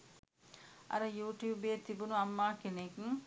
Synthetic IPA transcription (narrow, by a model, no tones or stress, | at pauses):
ʔɐ̰ɾɐjuːʈjuːbeːt̪ibunuɐmːaːkeneːkiŋ